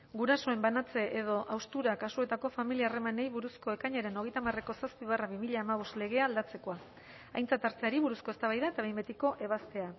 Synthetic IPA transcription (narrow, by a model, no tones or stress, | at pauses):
ɡuɾaso̞e̞mbanat͡se̞ʔeð̞o̞ʔawst̪uɾakasue̞t̪ako̞familiare̞manejβuɾusko̞e̞kaɲaɾe̞no̞ɣ̞e̞jt̪amare̞ko̞saspiβaraβimiʎaːmaβ̞usle̞ɣ̞e̞aːld̪at͡se̞ko̞a | ajnt͡sat̪aɾt͡s̪eaɾiβuɾusko̞e̞st̪aβ̞ajðaet̪aβe̞jmbe̞t̪iko̞ʔe̞β̞ast̪e̞a